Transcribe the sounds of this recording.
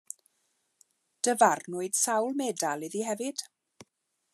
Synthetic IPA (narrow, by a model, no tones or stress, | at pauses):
d̥əvarnʊɨd̥sawlˠmeːdalˠiðiɦɛvɨd̥